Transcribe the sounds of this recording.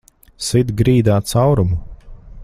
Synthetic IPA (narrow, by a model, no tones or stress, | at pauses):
sid̪ɡɾiːd̪aːt̪sawɾumu